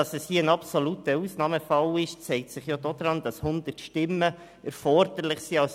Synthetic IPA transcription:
ɑsɛshiːəənɑpsɔlutəusnɑːməfɑlɪʃt͡sɛɪk̚tsɪχjod̥od̪ɾɑnd̥ɑshʊnd̪ətʃtɪmːə | ɛɾfɔɾd̥əɾlɪχsiɑls

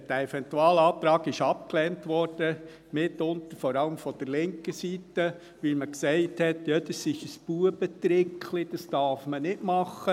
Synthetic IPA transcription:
d̥əɛfɛntuɑːlɑːt̪ɾɑːɡɪʃɑp̚klɛːntʋɔɾd̥ə | mɪtːʊntəɾfɔɾɑləmfɔd̥əɾlɪŋkəsiːtə | ʋɪlməksɛɪthɛtjɑd̪ɑsɪʃəsb̥uːəbət̪ɾɪkʰlid̥ɑsd̥ɑɾfmənɪdmɑχə

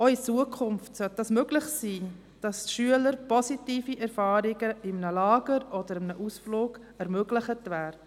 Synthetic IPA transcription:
ɔit͡suəkʰʊmftsœt̚d̥ɑsmøɡlɪχsiː | d̥ɑsʃyələɾpɔsitiːfiʔɛɾfɑːɾiɡəɪmnəlɑːɡ̥əɾɔd̥əɾɪmnəʔusfloːɡ̥ | ɛɾmøɡlɪχətʋæːɾ

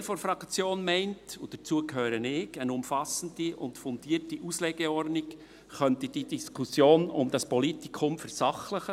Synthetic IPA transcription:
foɾfɾɑkt͡sjoːnmɛɪntud̥ət͡suəkhøːɾənɪɡ̥ənʊmfɑsən̩diʔʊntfʊndiːɾtiʔuːsleːɡ̥eɔrdnɪk | χœntəd̥idiskʰusjoːnʊ̰md̥ɑspɔlitikʰʊmfɛɾsɑχləχə

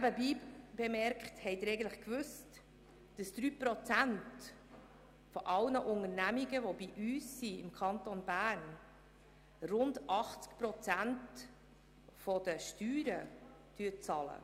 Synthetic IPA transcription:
æbəbiːb̥emɛɾkχthɛɪd̪ɪɾɛɡən̩tləχkvʉst | d̥əsd̪̥ɾyːpɾɔt͡sænt | fɔʔɑlnəʔʊŋəɾnæmiɡəvɔbiʔyːsːiɪmkʰɑntonbæːɾn | rʊndɑχt͡skpɾɔt͡sænt | fɔd̥əʃtyːɾə | d̥yːət͡sɑlə̰

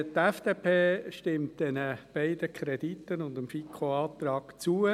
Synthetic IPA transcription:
t̪ɛfd̥eːpʰeːʃtɪmt̚d̥ɛnəb̥æɪd̥əkʰɾɛditːənʊndəmfikʰoɑːt̪ɾɑːɡ̥t͡suə

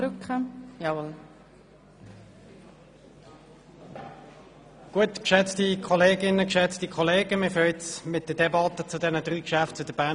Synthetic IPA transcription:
ɾʏkχəjɑːol | ɡ̥uətkʃɛt͡stikʰɔleːɡɪnəkʃɛt͡stikʰɔleːɡ̥əmiføʏtsmɪt̚d̥ədɛbɑt̪ət͡sʊdɛnədʁyːkʃæft̚t͡sʊdəb̥æ

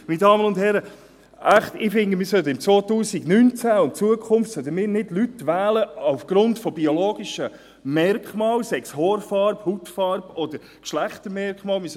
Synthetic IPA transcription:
minədɑːmənʊnd̥hɛɾə | ʔæχt̪ɪfɪŋɡəmɪːɾsœdəɪmt͡svoːt̪uːsiɡnynt͡sæʊntt͡suəkʰʊmftsœd̪əmɪːɾnɪdlytʋæːləaʊfɡ̥ɾʊntfɔbioloːɡ̥iʃə | mɛrkχmɑːlsɛkshɔːɾfɑɾbhutfɑːɾbɔd̥̪əɾ | kʃlæχtəɾmɛɾkχmɑːlmɪs

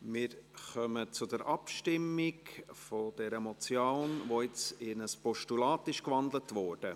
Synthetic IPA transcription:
mɪːɾχœmət͡sʊdɛɾʔɑpʃtɪmːikfod̥ɛɾəmɔt͡sjoːnʋoɪt͡sɪnəspɔʃtulɑːtɪʃkʋɑnd̪lətʋɔːɾd̥ə

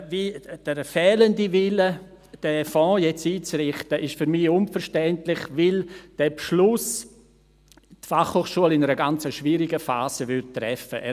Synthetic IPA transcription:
viːd̥əɾfɛːləndivɪlə | d̥ɛfɔ̃ːjɛt͡siːt͡srɪχtəʔɪʃfyɾmɪʊnfəɾʃtɛntlɪχvɪld̥ɛːbʃlʊs | tfaχhoːχʃuəlɪnəɾəɡant͡səʃviːɾiɡəfa̰ːzəvʏtːrɛfəʔɛ

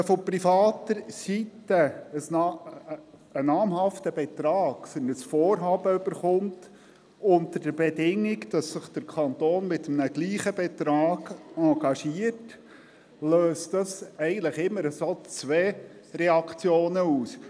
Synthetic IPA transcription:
fɔpɾifɑːtəɾsitəəsnɑ | ənɑːmɦɑftəbɛtɾɑːɡ̥fənəsfɔːɾɦɑːbəʏb̥əɾχʊmt | ʊntəɾd̥əɾbɛdɪŋːiɡd̥ɑsːɪχd̥əɾkʰɑnt̪oːnmɪt̪əmnəɡ̥liːχəbɛtɾɑːɡ̥ɑɡɑʃiət | løːstdɑsɛɪɡən̩t̪ləχɪmːəɾəsot͡sʋɛːrɛɑkt͡sjoːnəuːs

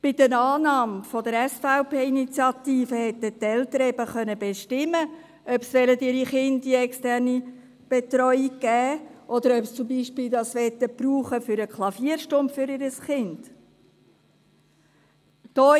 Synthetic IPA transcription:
b̥ɪd̥ənɑːnɑːmfɔd̪əɾɛsfaʊpeːinit͡sjɑt̪iːfəhɛt̪ːətːɛlt̪əɾɛbəχœnəbeʃtɪmə | œpsʋɛlətɪɾiχɪndiɛkstɛrni | b̥et̪ɾɔʏiɡɡ̥ɛːʔɔd̪əɾœpst͡sʊmbiːʃpɪːld̪ɑsʋɛt̪ːəpruːχəfʏɾəkʰlˠɑfiːəɾʃtʊmpfʏɾɪɾəsχɪnd̥ | d̥ɔː

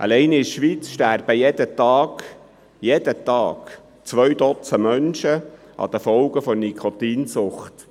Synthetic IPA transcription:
ʔɑ̰lɛɪnɪɾʃʋiːt͡sʃtæɾb̥əjɛd̥̪ət̪ɑːɡ | jɛd̥̪ət̪ɑːɡ̥ | t͡sʋœɥd̪ɔt͡səmœnʃə | ʔɑ̰d̪əfɔlɡəfɔnikʰɔt̪iːnsʊχt̪

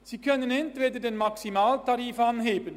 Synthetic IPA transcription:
z̥iːkʰœnənɛntv̥eːdədeːnmɑksimaːltaɾiːfanɦeːbən

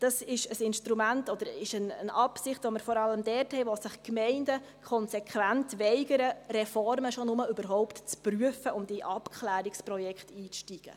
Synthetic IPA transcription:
d̥ɑsɪʃəsɪnʃtɾumæntɔd̥̪əɾɪʃənənɑpsɪχtʋoməɾfɔɾɑləmdɛɾthɛɪʋosɪχkmɛɪndə | kʰɔnsɛkʰʋæntʋɛɪɡəɾəɾɛfɔɾməʃonʊməybəɾɦɔʊptt͡spryəfəʔʊmd̥iʔɑpkʰχlæːɾiksprɔjɛkχtiːt͡sʃtiːɡ̥ə̰

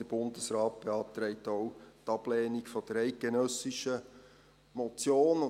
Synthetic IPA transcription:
əb̥ʊndəsrɑːt̚b̥eɑːp̚t̪ɾɛɪtoʊtɑblɛːnɪkfɔd̥əɾæɪt̚ɡ̥enœsɪʃə | mɔt͡sjoːn

